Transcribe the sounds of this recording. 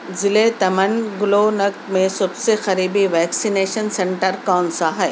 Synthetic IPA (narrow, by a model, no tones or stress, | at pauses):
zɪlet̪ɐmənɡʊloːnɐɡ̪mẽsɐbsexɐɾiːbiʋɛːksineːʃənsẽɳʈəɾkɔːnsaɦɛ